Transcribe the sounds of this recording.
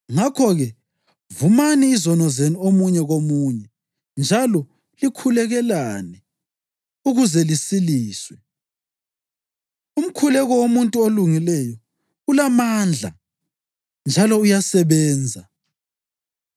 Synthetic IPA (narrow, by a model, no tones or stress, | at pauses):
ŋakʰɔɣɛ | vumaniːzɔnɔzeniomuɲɛɣomuːɲɛ | nd͡ʒʱalɔ | likʰulɛɣɛlanɛ | uɣuzɛlisiliːswɛ | um̩kʰulɛɣɔwomuntʼuoluŋilɛjɔ | ulamaːnd͡ɮʱa̰ | nd͡ʒʱalɔujasɛβɛːnd͡zʱa